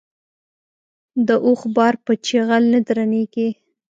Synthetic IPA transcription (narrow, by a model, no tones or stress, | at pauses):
d̪əʔoxbɑɾpət͡ʃeɣalnəd̪ɾaneɡi